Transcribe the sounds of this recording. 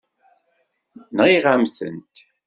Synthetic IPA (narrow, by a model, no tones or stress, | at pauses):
nʁiʁamθə̰nt̪